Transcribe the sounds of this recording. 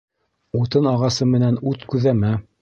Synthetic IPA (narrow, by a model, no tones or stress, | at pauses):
ut̪ɤnɑʁɑsɤmɘ̆nænʉt̪kʉðæmæ